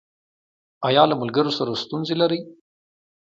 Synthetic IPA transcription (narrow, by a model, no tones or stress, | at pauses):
ajɑlamʊlɡəɾosaɾast̪unzelaɾəj